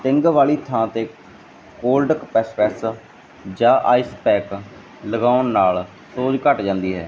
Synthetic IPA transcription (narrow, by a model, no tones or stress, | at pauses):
t̪ɪ̃ŋɡʋaːliːt̪ʰãːt̪eː | koːlɖəkpɛːspɛːs | d͡ʒãːʔaːispɛːk | ləɡaːʊnːaːl | soːd͡ʒkəʈd͡ʒãːnd̪iːɦɛ̰ː